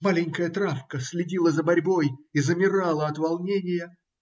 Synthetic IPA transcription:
malʲɪnʲkəjət̪ɾafkəsʲlʲɪdʲilˠəzəbɐɾʲbo̞jizəmʲɪɾalˠəɐt̪vɐlˠnʲenʲɪjə

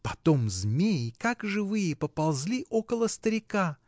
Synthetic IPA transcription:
pɐt̪o̞mzmʲejkakʐɨvɨjəpəpɐlˠzʲlʲiʔo̞kəlˠəst̪əɾʲɪka

